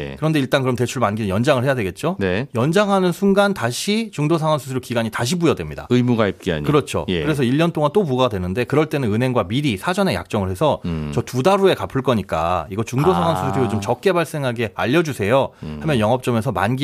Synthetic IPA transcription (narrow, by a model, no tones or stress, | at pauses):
kɯɾʌnde̞iɭt͈ankɯɾʌmte̞t͡ɕʰuɭmanɡinɯnjʌnd͡ʑaŋɯɭhe̞jadwe̞ɡe̞t̚t͡ɕ͈onejʌnd͡ʑaŋɦanɯnsʰunɡantaɕʰit͡ɕuŋdosʰaŋwansʰusʰɯɾokiɡaɲitaɕʰibujʌdwemɲida̰ɯimuɡaip̚k͈ia̰ɲkɯɾʌt͡ɕʰo̰kɯɾe̞sʰʌiʎːʌnt͈oŋant͈omuɡadwe̞nɯnde̞kɯɾʌɭt͈e̞nɯnɯnɦe̞ŋɡwamiɾisʰad͡ʑʌne̞ja̰k̚t͡ɕ͈ʌŋɯɭhe̞sʰʌt͡ɕʌtudaɾue̞kapʰɯɭk͈ʌɲik͈a̰iɡʌt͡ɕuŋdosʰaŋwanʰusʰɯsɾiɾot͡ɕomt͡ɕʌk̚k͈e̞baɭs͈e̞ŋɦaɡe̞a̰ʎːʌd͡ʑusʰe̞johamjʌnjʌŋʌp̚t͡ɕ͈ʌmesʰʌma̰nɡi